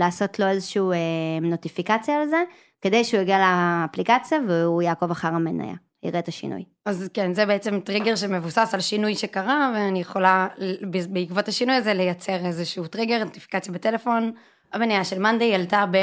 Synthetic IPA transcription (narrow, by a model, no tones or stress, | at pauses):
laːso̞tlo̞ezeʃiueno̞tifikat͡sjaːlze | ked̪ejʃeujeɡialeːplikat͡sjaveujaːko̞vaχaʁamena̰ja̰ | ḭʁet̪aʃḭnʔṵj | azkenzebeet͡se̞mtʁiɡeʁʃeme̞vusasalʃinujʃe̞kaʁaveanijeχo̞lalbebeikvothaʃinujazele̞jat͡se̞ʁezeʃutʁiɡeʁnot̪i̥fi̥kat͡sjabetelefo̞n | amenajaʃelmand̪ejaltabe